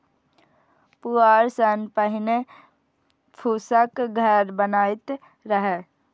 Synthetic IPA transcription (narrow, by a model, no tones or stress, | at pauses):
puaːɾsənpəɦɪne | pʰuːsəkɡʱəɾbənaːɪt̪ | ɾəɦeː